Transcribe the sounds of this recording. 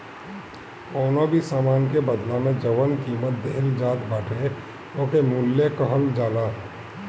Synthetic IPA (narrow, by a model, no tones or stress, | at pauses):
oːnobʱisaːmaːnkebəd̪lamẽd͡ʒəʋənkiːmət̪̚d̪eɦld͡ʒaːt̪baːʈʰe | oːkemulːekəɦəld͡ʒaːlaː